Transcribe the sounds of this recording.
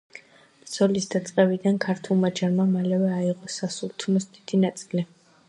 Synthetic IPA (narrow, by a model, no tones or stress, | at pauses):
d̪z̥ɔlisd̪at̪sʼqʼɛbid̪ankʰaɾt̪ʰulˠmad͡ʒaɾmamalɛvɛaiʁɔsasulˠt̪ʰnɔsd̪id̪̥inat̪sʼili